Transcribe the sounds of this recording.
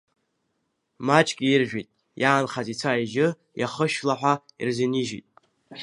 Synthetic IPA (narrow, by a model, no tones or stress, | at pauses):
mat͡ʃʰʼkʲʼiirʒᶣitʼ | jʔaːnχazit͡sʷʰaiʒɪ | jaχəʃlaħʷᶣaḭrzɪniʒḭtʼ